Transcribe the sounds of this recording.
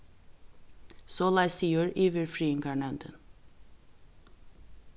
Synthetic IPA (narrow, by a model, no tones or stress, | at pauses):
soːlɑɪsiːəɹiːʋəɹfɹiːəŋɡɑɳɑʉnd̪ə̰n